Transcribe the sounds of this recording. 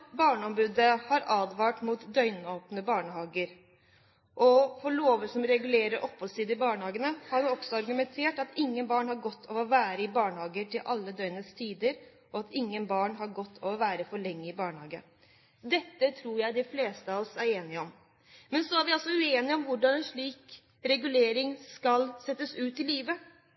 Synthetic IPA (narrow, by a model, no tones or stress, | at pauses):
bɑːɳəɔmbʉːd̪əhɑɾɑːd̪ʋɑːʈmuːt̪d̪œʏnoːpnəbɑːɳəɦɑːɡəɾ | ʔɔfɔɾɭoːʋəsɔmɾɛɡʉleːɾəɾʔɔphɔlsiːd̪əɪbɑːɳəhɑːɡənəhɑɾnɔɡsɔɑɾɡʉmɛnt̪ʰeːʈɑt̪ɪŋːənbɑːɳhɑɾɡɔt̪ʰːɔʋɔʋæːɾəɪbɑːɳəhɑːɡət̪ʰɪlʔɑ̰lːəd̪œʏnəst̪ʰiːd̪əɾ | ʔɔɑt̪ʰɪŋːənbɑːɳɦɑɾɡɔt̪ʰːɔʋɔʋæːɾəfɔɭɛŋːəɪbɑːɳhɑːɡə̰ | d̪ɛt̪ːət̪ʰɾuːɾjæɪd̪ɪfleːst̪əɑʋɔsæɾeːnɪɔm | mɛnsɔæɾʋɪɑlsɔʉeːnɪɔmʋʊɖɑnɛnʂɭiːk | ɾɛɡʉleːɾɪŋskɑlsɛt̪ːəsʉːt̪ːɪlːiːʋə